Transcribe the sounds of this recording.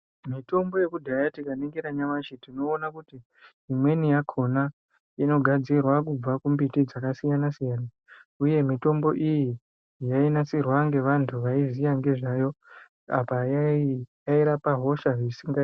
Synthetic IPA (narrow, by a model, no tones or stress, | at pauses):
mito̞mbo̞je̞kudʱajatikaneŋɡiɾaɲamat͡ʃitino̞ːnakutiː | mwe̞nijakʰo̞na | ino̞ɡʱad͡zirwakub͡vakumbitid͡zakasijanasijaːna | uje̞mito̞mbo̞ʔiji | jainasirwaŋɡe̞ʋantʰuʋaizijaŋɡe̞ʐajo̞ | a̰pa | jaiɾapaɦo̞ʃaʐisiŋɡa